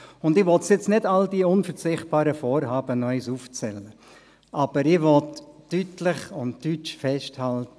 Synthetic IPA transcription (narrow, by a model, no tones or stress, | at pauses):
ʊndɪʋɔtsjɪt͡snɪdaldiːʊnfəɾt͡sɪχt̚b̥aːɾəfɔːɾɦaːb̥ənœʏsuːft͡sɛlə | ʔab̥əɾɪʋɔtːytlɪχʊntdyt͡ʃfɛsthaltə